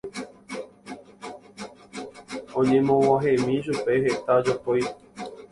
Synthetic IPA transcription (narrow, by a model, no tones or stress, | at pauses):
õɲẽmõwãɦẽmĩʃ̬upe̞ɦet̪ad͡ʒopoj